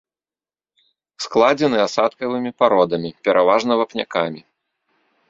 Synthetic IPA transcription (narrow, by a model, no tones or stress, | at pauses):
sklˠad͡zʲɛnɨasat̪kɐvɨmʲipaɾɔd̪ɐmʲipʲɛɾʔavaʐnɐvɐpnʲa̰kamʲi